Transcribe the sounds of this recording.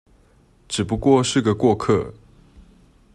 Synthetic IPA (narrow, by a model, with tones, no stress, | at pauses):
ʈ͡ʂɻ̩˨˩pu˧˦kwɔ˥˧ʂɻ̩˥˩ɡə˩kwɔ˥˧kʰɤ̰˥˩